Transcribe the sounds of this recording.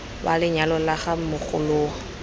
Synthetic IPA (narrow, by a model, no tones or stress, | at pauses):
ba̰lɪɲalɔlaχamʊχʊ̰lʊːa